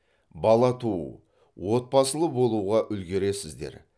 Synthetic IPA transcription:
bɑlˠɑt̪ʰu | wo̞t̪̚pɑsəlˠəbo̞lˠuʁɑʔʏlɡʲe̞ɾe̞sɪzd̪ḛɾ

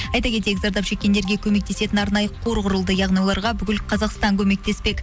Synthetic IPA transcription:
ɑjt̪ɑkʲe̞t̪̬ekɪzɑɾd̪ɑpʃe̞kʲːe̞nd̪e̞ɾɡʲekʲʰɵme̞k̚t̪e̞se̞t̪ɪnɑɾnɑjəqʰo̞ɾʁʊɾəlˠd̪əjɑʁnijwo̞lˠɑɾʁɑbʏkʲɪlqʰɑzɑqst̪ɑŋkʲʰɵme̞k̚t̪e̞spe̞kʲ

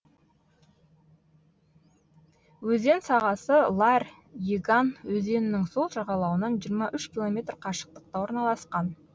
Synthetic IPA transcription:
wɵze̞nsɑʁɑsəlˠɑr | jeɡanwɵze̞nɪnɪŋso̞lˠʒɑʁɑlˠɑwənɑnʒijəɾmɑʔʏʃkʲilˠo̞mʲe̞t̪rqʰɑʃə̥q̚t̪ə̥q̚t̪ɑwoɾnɑlˠɑsqɑn

